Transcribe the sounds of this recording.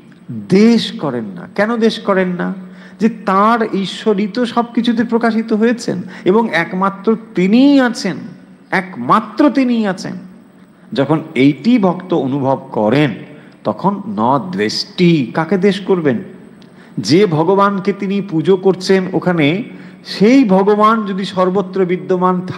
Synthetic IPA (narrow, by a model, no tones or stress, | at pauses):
d̪eʃkɔɾenːa̰kɛnod̪eʃkɔɾenːa | d͡ʑet̪aɾiʃːoɾit̪oʃɔb̚kit͡ɕʰud̪eɾpɾokaʃ̬it̪oɦojet͡ɕʰḛneboŋɛkmat̪ːɾot̪iniat͡ɕʰen | ɛkmat̪ːɾot̪iniat͡ɕʰḛn | d͡ʑɔkʰonejʈibʱɔkt̪oonubʱob̚kɔɾen | t̪ɔkʰonːɔd̪ɾeʃʈikaked̪eʃkoɾben | d͡ʑebʱɔɡobanket̪inipud͡ʑokoɾt͡ɕʰeno̰kʰane | ʃejbʱɔɡoband͡ʑod̪iʃɔɾbot̪ːɾobid̪ːomant̪ʰa